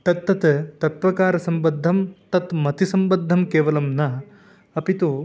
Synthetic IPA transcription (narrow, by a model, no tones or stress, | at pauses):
t̪ɐt̪ːɐt̪t̪ɐt̪ʋɐkaːɾɐsɐmbɐd̪ʱːɐmt̪ɐt̪mɐt̪isɐmbɐd̪ʱːɐmkeːʋɐlɐmnɐ | ɐpit̪u